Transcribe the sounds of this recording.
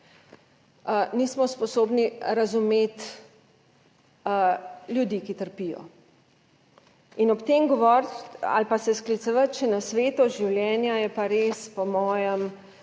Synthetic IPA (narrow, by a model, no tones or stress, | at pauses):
nismɔspɔsoːbniɾɐzumeːt̪ | ljud̪ikit̪əɾpijɔ̰ | inɔpt̪eːmɡɔʋɔɾt̪a̰lpasɛsklit̪səʋət̪t͡ʃɛnɐsʋeːt̪ɔʒiwljɛːnjajɛpaɾeːspɔmɔːjəm